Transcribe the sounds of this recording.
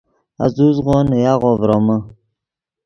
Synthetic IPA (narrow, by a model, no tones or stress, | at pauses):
a̰zuzɣonəjaɣovɾomə